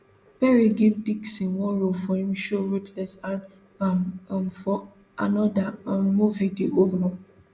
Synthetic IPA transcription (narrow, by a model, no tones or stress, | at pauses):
pɛɹeɡivdiksĩwɔɾofɔhĩmʃoɹutʰlɛsãn | amfɔ | a̰nɔdamːuvideʔovanɔ̃